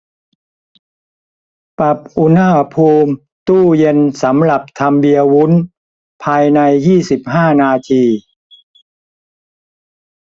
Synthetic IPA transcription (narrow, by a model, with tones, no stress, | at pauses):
pa˨˩p̚ʔu˧na˥˩pʰuː˧m | t̪uː˥˩je˧nsa˩˦mɾa˨˩p̚t̪ʰa˧mbi˧əwu˦˥n | pʰaː˧jna˧jːiː˥˩si˨˩p̚ɦaː˥˩naː˧t̪ʰiː˧